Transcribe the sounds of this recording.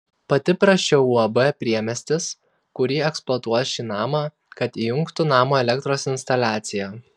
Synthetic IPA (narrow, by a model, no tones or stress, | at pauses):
pɐt̪ʲɪpɾɐʃʲɛuɐbɛpʲɾʲiɛmʲɛsʲt̪ʲɪs | kʊɾʲiːɛksplˠɔt̪uɔjʃʲiːnɑːmɑ | kɐt̪iːjʊŋkt̪ʊnɑːmoːɛlʲɛk̚t̪ɾoːsɪnʲst̪ɐlʲæːt̪sʲɪjæː